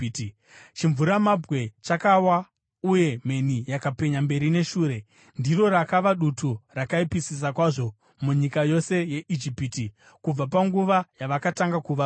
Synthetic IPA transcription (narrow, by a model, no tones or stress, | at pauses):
t͡ʃiɱvuɾamabʱwe̞t͡ʃakawa | uje̞me̞nijakape̞ɲambe̞ɾine̞ʃuːɾe̞ | ndiro̞rakaʋaɗuturakaipisis̬akwaʐo̞ | muɲikajo̞se̞je̞ʔid͡ʒipiti | kub͡vapaŋɡuʋajaʋakataŋɡakuʋa